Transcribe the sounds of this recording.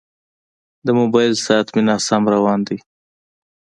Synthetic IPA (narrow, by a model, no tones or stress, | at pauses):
d̪əmobɑjlsɑat̪minɑsamɾawɑːnd̪i